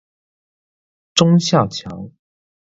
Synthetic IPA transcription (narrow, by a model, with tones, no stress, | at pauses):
ʈ͡ʂʊ˥ŋɕjɑ˥˩ʊt͡ɕʰjɑ˧˥˦ʊ